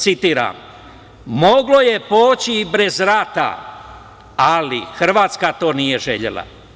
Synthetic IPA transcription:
t̪sit̪iːɾa̰m | mo̞ɡlo̞je̞poːt͡ɕibɾe̞zɾat̪a̰ | alḭxr̩ʋaːt̪skat̪o̞ːnije̞ʒeʎe̞̰lˠa̰

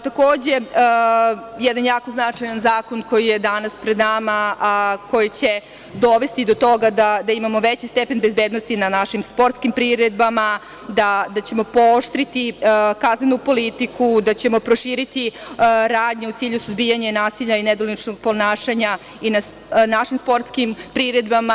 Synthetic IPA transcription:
t̪ako̞ːd͡ʑe̞ | jɛd̪anjaːko̞znat͡ʂajanzaːko̞nko̞jije̞d̪anaspɾed̪namako̞jit͡ɕe̞ | d̪o̞ʋe̞st̪id̪o̞t̪o̞ɡad̪ad̪aimamo̞ʋet͡ɕist̪epe̞nbezbeːd̪nost̪inanaʃimspo̞ɾt̪skimpɾiɾed̪̚bama | d̪ad̪at͡ɕe̞mo̞pooʃt̪ɾit̪ikaznenupo̞lit̪ikud̪at͡ɕe̞mo̞pɾo̞ʃiːɾit̪iɾaːd̪ɲeut̪siːʎusuzbiːjaɲenaːsiʎained̪olnit͡ʃnoɡ̚po̞naːʃaɲa | ina | naʃimspo̞ɾt̪skimpɾiɾe̞d̪bama

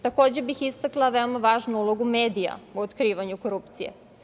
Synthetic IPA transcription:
t̪ako̞ːd͡ʑebixist̪aklˠaʋe̞o̞maʋaːʒnuulˠo̞ɡumeːd̪ija̰uot̪kɾiːʋaɲuko̞ɾupt̪sijḛ

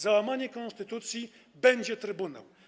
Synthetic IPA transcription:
zawamaɲɛkɔnst̪ɘt̪ut̪sʲji | bɛɲd͡ʑɛt̪ɾɘbuna̰w

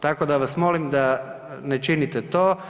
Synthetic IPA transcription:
t̪akod̪aʋasmolimd̪a | net͡ʃinit̪ɛt̪oː

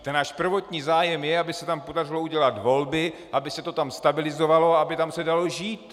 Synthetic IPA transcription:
t̪ɛnaːʃpr̩vo̞t̪ɲiːzaːjɛmjɛabɪsɛt̪ampo̞dar̝ɪlouɟɛlat̪vo̞lbɪʔabɪsɛt̪o̞t̪amst̪abɪlɪzo̞valo̞aabɪt̪amsɛdalo̞ʒiːt̪

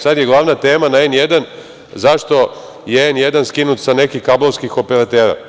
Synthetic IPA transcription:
sad̪jeɡlˠaːʋnat̪e̞ːmanaenjed̪an | zaʃt̪o̞ | jeenjed̪anskinut̪sane̞kikabloskixo̞peɾat̪eːɾa̰

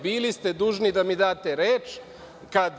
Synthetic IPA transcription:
biːlist̪ed̪uːʒnid̪amid̪aːt̪eɾeːt͡ʃ | kad̪

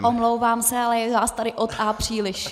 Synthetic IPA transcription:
ʔomlowvaːmsɛalɛjɛvaːst̪aɾɪʔot̪ʔaːpr̝̥iːlɪʃ

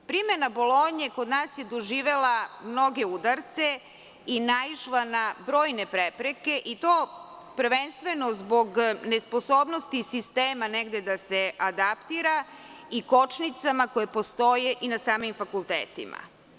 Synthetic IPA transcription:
pɾimenabo̞lˠoɲeko̞d̪naːsjed̪oʒiːʋe̞lamno̞ɡe̞ud̪aɾt̪se | inaiʃlˠanabɾo̞ːjne̞pɾepɾeke̞ʔit̪oː | pɾ̩ʋe̞nst̪ʋe̞no̞zbo̞ɡne̞spo̞soːbnost̪isist̪eːmaneɡd̪e̞d̪asead̪apt̪iɾa | iko̞t͡ʃnit̪samako̞jepo̞st̪o̞jeʔinasaːmimfakulˠt̪ḛːt̪ḭma̰

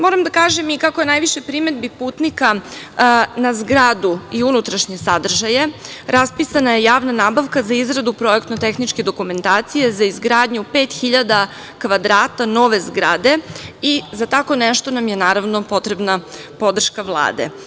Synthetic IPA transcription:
mo̞ɾamd̪akaːʒemikakojenajʋiʃe̞pɾime̞d̪bipuːt̪nika | nazɡɾaːd̪uiunut̪ɾaʃɲe̞sad̪r̩ʒaje̞ɾʔaspisanaje̞jaːʋnanaːbaʋkazaizɡɾad̪upɾo̞ekt̪not̪e̞xnit͡ʃke̞d̪o̞kume̞nt̪aːt̪sije̞zaizɡɾaːd̪ɲupeːt̪xiʎad̪a | kʋad̪ɾaːt̪ano̞ʋe̞zɡɾa̰ːd̪e̞izat̪ako̞neʃt̪onamjenaːɾaʋno̞po̞t̪ɾe̞bnapo̞d̪r̩ʃkaʋlˠa̰ːd̪ḛ

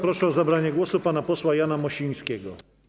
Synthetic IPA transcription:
pɾɔʂɛɔzabɾaɲɛɡwɔsupanapɔswajanamɔɕiɲ̃skʲɛɡɔ

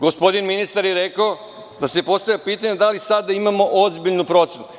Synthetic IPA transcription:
ɡospo̞d̪inminist̪aɾjeɾekao | d̪asepo̞st̪avjʲapiːt̪aɲed̪alisad̪aimamo̞ʔozbiʎnupɾo̞t̪senu

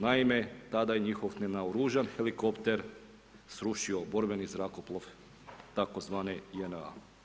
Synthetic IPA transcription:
naimet̪ad̪ajeɲixoʋnenaoɾuːʒanxelikopt̪eɾ | sɾuʃiobo̞ɾbenizɾakoplˠoʋ | t̪akozʋaːnejena̰

